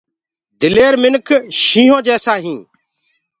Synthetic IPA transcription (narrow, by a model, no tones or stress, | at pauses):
d̪ɪleːɾmɪnkʰʃĩːɦõːd͡ʒɛːsaːɦĩː